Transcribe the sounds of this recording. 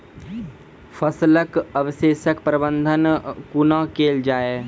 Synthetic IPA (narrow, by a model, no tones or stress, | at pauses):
fəsləkəʋʃeːʃəkpɾəbə̃nd̪ʱənkunãkeːld͡ʒaːe